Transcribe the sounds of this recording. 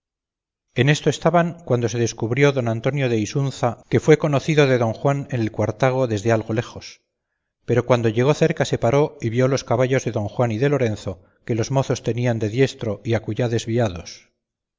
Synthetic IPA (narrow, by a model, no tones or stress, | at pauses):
e̞ne̞st̪o̞e̞st̪aβaŋkwand̪o̞se̞ðe̞skuβɾjo̞ðo̞nant̪o̞njo̞ðe̞isunθake̞fwe̞ko̞noθiðo̞ðe̞ðo̞ŋxwane̞ne̞lkwaɾt̪aɣ̞o̞ðe̞zðe̞alɣo̞le̞xo̞s | pe̞ɾo̞kwand̪o̞ʝe̞ɣo̞θe̞ɾkase̞paɾo̞iβjo̞lo̞skaβaʎo̞zðe̞ðo̞ŋxwaniðe̞lo̞ɾe̞nθo̞ | ke̞lo̞zmo̞θo̞st̪e̞niand̪e̞ðje̞st̪ɾo̞iakuʝaðe̞zβiaðo̞s